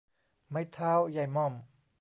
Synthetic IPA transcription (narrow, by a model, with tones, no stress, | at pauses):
ma˧˥˩jt̪ʰaː˦˥˨wja˧˩jmɔ˧˥˩m